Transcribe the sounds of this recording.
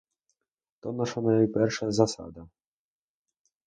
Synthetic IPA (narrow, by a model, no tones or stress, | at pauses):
t̪ɔnaʂanajpʲɛɾʂazasa̰d̪a